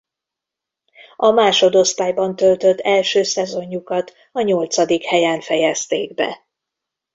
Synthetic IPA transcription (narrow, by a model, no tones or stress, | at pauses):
ɒmaːʃo̞d̪o̞st̪aːjbɒnt̪ølt̪øt̪ʰːɛlʃøːsɛzo̞ɲːukɒt̪ | ɒɲo̞lt̪sɒd̪ikhɛjaːnfɛjɛst̪eːɡbɛ̰